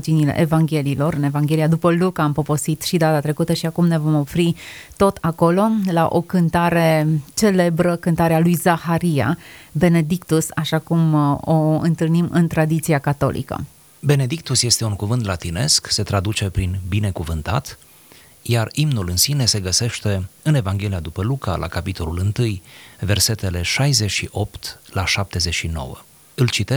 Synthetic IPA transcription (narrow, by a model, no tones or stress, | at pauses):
d͡ʒinilḛʔevaŋɡʲe̞liːlo̞ɾɨne̞vaŋɡʲe̞lijad̪upəlukaːmpo̞po̞sit̪ʃid̪at̪at̪ɾe̞kut̪əʃiakumne̞vo̞mo̞fɾit̪o̞t̪ʰako̞lo̞laʔo̞̰kɨnt̪aɾe̞t͡ʃe̞le̞bɾəkɨnt̪aɾealujzaxaɾia̰be̞ne̞d̪ikt̪usaʃakumoɨ̰nt̪ɨlnimɨ̰nt̪ɾad̪it̪siakat̪o̞̰lḭkə̰ | be̞ne̞d̪ikt̪usje̞st̪e̞uŋkuvɨnt̪lat̪ine̞skse̞t̪ɾad̪ut͡ʃe̞pɾinbine̞kuvɨnt̪at̪ | jarimnulɨnsine̞se̞ɡəse̞ʃt̪e̞ɨne̞vaŋɡʲe̞liad̪upəluka̰lʔa̰kapit̪o̞lulɨnt̪ɨjve̞rse̞t̪e̞le̞ʃajzet͡ʃʃiʔo̞pt̪laʃap̚t̪e̞zeʃino̞̰wə̰ | ɨlt͡ʃit̪e